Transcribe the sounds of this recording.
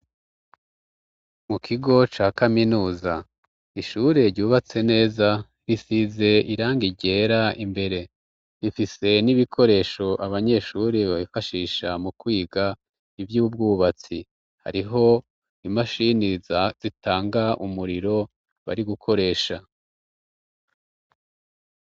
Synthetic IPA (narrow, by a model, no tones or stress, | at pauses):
mukʰiɡo̞t͡ʃaːkaminuːza | iʃuɾe̞ɾɟuːβat͡se̞ne̞ːza | ɾisize̞iɾaːŋɡiɟe̞ːɾaimbe̞ɾe̞ | ɾifise̞niβikʰo̞ɾe̞ːʃo̞ʔaβaɲe̞ʃuɾeβaβifaʃiːʃamukwiːɡa | ivjuːb̚ɡuːβat͡sḭ | ha̰ɾiɦo̞ | imaʃinizz̥itaːŋɡaʔumuɾiɾo̞ | βa̰ɾiɡukʰo̞ɾe̞ːʃa